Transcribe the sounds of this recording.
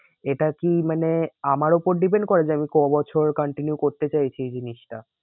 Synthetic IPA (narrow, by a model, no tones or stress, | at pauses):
eʈakimaneamaɾupoɾɖip̬eɳɖkoɾed͡ʑeamikɔbɔt͡ɕʰoɾkɔɳʈinjukoɾt̪et͡ɕajt͡ɕʰid͡ʑiniʃʈa